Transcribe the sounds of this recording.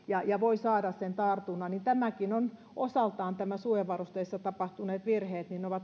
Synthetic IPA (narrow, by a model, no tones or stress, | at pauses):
jɑjɑʋoisɑːdɑssent̪ɑrt̪unːɑnint̪æmækinon | ʔosɑlt̪ɑːnt̪æmæsueʋɑrust̪eisːɑt̪ɑpɑht̪uneːt̪ʋirheːt̪nineoʋɑt̪